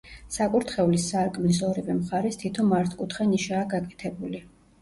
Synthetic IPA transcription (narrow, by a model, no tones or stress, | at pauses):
sakʼuɾt̪χɛulisːaɾkʼmlis̬ɔɾivɛmχaɾɛst̪ʰit̪ʰɔmaɾt̪ʰkʼut̪ʰχɛniʃaːɡakʼɛ̥t̪ʰɛbuli